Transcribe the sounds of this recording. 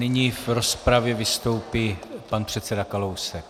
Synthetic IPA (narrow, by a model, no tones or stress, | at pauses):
nɪɲiːvɾospɾavjɛvɪst̪o̞wpiːpanpr̝̥ɛt̪sɛdakalowsɛk̚